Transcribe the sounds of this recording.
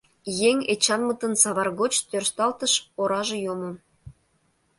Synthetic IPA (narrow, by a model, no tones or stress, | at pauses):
jeŋʲet͡ɕɑnmət̪ə̆nsɑβɑrɣot͡ɕt̪ørst̪ɑlt̪əʃoɾɑʒĕjomom